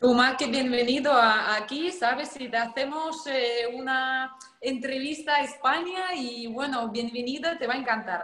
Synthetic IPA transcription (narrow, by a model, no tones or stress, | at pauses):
t̪umalkeβjenbeniðoaːkisaβesːit̪eaθemoseuna | ent̪ɾeβ̞ist̪aespaɲaiβwenoβjenbeniðat̪eβaeŋkant̪aɾ